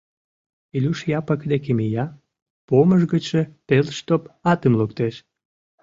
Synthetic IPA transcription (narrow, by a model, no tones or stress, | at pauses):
ilʲuʃjɑpəkd̪ekemijɑ | poməʒɡət͡ɕet̪elʃt̪opɑt̪əmlukt̪eʃ